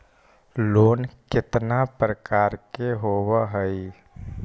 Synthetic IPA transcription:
loːnkɪt̪napɾəkaːɾkeɦoːwaɦəi

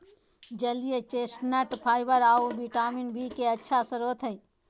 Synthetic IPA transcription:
d͡ʒɐlijet͡ʃeːsʈnɐʈpʰaːɪbəɾaːobiʈaːminbʱiːkeɐtːʃʰasəɾoːt̪ʰəĩ

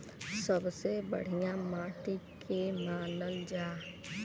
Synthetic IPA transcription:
səbsebə̰ɽ̤ijamaːʈikʰemaːnəld͡ʒaː

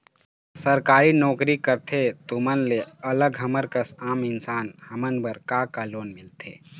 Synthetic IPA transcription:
səɾkaːɾinɔːkɾikəɾt̪ʰet̪umənleɐləɡɦɐməɾkəsaːmɪnsaːnhɐmənbəɾkakaloːnmɪlt̪ʰḛː

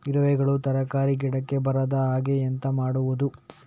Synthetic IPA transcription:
iɾɐʋɛɡɐɭut̪ɐɾɐkaːɾiɡɛɽɐkːe̞bɐɾɐd̪ɐaːɡeɐnt̪ɐmaːɽuʋud̪u

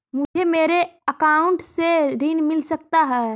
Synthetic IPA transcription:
mʊd͡ʒʱemeːɾeəkaːʊ̃ɳʈseɾinmɪlsək̚t̪aɦɛː

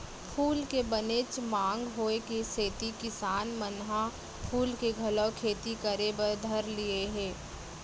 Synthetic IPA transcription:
pʰuːlkebɐneːt͡ʃmãːŋɡɦoːekeseːt̪ikɪsaːnmənɦã | pʰuːlkeɡʱɐləwkʰeːt̪ikɐɾebəd̪ʱɐɾlieɦɛ̃ː

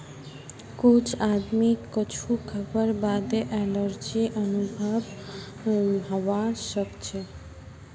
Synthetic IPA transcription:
kot͡ɕʰad̪mikːɔt͡ɕʰukʰəbəɾbad̪eʔɛləɾd͡ʑiʔɔnubʱab | ɦɔwaʃəkt͡ɕʰe

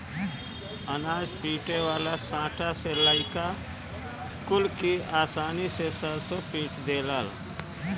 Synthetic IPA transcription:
ənaːd͡ʒpiːʈewaːlasãːʈʰaselaɪka | skulkiaːsaːnisesəɾsopiːʈʰd̪eːləl

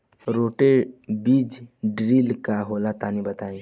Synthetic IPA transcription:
ɾoʈebid͡ʒɖɾilkaɦolat̪aːnibət̪aːĩ

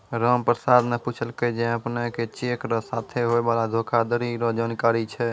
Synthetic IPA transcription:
ɾəmpɾəsaːd̪meput͡ʃʰəlked͡ʒɛ̃əpneket͡ʃeːkɾəsat̪ʰeɦoebaːlad̪ʱokʰad̪əɾiɾɔd͡ʒaːnkaːɾit͡ʃʰɛ

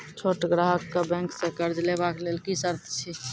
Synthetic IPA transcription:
t͡ʃʰoʈɡɾaɦəkːebɛ̃ŋksẽkəɾd͡ʒlebaklelkisəɾt̪ʰt͡ʃʰi

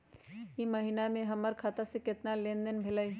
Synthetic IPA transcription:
kimɐɦinamẽɦɐməɾkʰaːt̪asekɪt̪nalẽːnd̪ənbʱɪlai

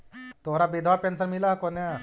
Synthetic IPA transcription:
t̪oɾabed̪ʱʋapɛnsəɾmilakonja

